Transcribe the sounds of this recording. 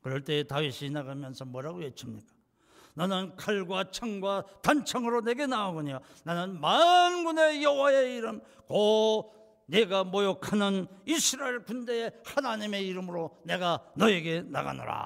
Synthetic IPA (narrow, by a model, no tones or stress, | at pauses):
kɯɾʌɭt͈e̞ːtaɥiɕʰinaɡamjʌnsʰʌmwʌɾaɡoɡesʰɯmɲik͈ḁ | nʌnɯnkʰaɭɡwat͡ɕʰaŋɡwatant͡ɕʰaŋɯɾone̞ɡe̞naoɡoɲo | nanɯnmanɡune̞jʌwae̞iɾɯm | ko | ne̞ɡamojokʰanɯnisʰɯɾaeɭkunde̞ehanaɲime̞iɾɯmɯɾone̞ɡanʌe̞ɡe̞na̰ɡa̰nɯ̰ɾa̰